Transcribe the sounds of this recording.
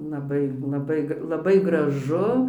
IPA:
lˠɐˈbɐɪ lˠɐˈbɐɪ lˠɐˈbɐɪ ɡrɐˈʒʊ

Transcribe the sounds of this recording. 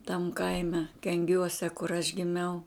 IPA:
tɐm ˈkɐɪmʲɛ kʲɛŋʲˈɡʲuɔsʲɛ kʊr ɐʃ ɡʲɪˈmʲɛʊ

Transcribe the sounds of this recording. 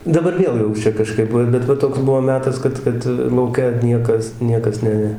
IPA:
dɐˈbɐr ˈʋʲiɛlˠ jɛʊ ˈt͡ʃʲɛ kɐˈʃkɐɪp ʋɐ bʲɛt ˈʋɐ ˈtoːks ˈbuɔ ˈmʲæːtɐs ˈkɐt ˈkɐt lˠɐʊˈkʲɛ ˈnʲiɛkɐs ˈnʲiɛkɐs ˈnʲɛ

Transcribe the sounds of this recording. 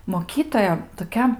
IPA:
moːˈkʲiːtoːjɛ toːˈkʲɛ

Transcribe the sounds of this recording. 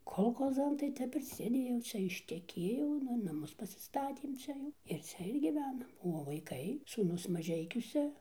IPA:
koːlˠˈxoːzɐn tɐɪ ˈtʲɛp ɪr sʲeːˈdʲeːjɛʊ ˈt͡ʃʲɛ ɪʃʲtʲɛˈkʲeːjɛʊ ˈnʊ nɐˈmʊs pɐsʲɪˈstɑːtʲeːm ˈt͡ʃʲɛ jɛʊ ɪr ˈt͡sʲɛ ɪr ɡʲiːˈʋʲæːnɐm oː ʋɐɪˈkɐɪ suːˈnʊs mɐˈʒʲɛɪkʲʊsʲɛ

